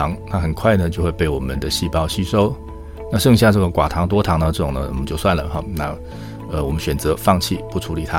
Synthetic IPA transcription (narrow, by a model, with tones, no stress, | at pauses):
ɑ˧˥ŋna˥˩xə˨˩nkʰwa˥˩ɪnə˩t͡ɕjo˥˧ʊxwe˥˧ɪpe˥˩ɪwɔ˨˩mə˦nd̪ə˨ɕi˥˧pɑ˥˧ʊɕy˥ʂo˥ʊ | na˥˧ʂɤ˥˧ŋɕja˥˧ʈ͡ʂɤ˥˩ɡə˩kwa̰˨˩t̪ʰɑ˧˥ŋt̪wɔ˥t̪ʰɑ˧˥ŋnə˧ʈ͡ʂɤ˥˩ʈ͡ʂʊ˨˩nə˦wɔ̰˨˩mə˦t͡ɕjo˥˧ʊswa˥˩nlə˩xɔ˧˩na˥˩ | ə˧wɔ˨˩mə˦nɕɥɛ˨˩nt͡sɤ˧˥˦fɑ˥˧ŋt͡ɕʰi˥˩pu˥˩ʈ͡ʂʰu˧˥li˨˩t̪ʰa˦˥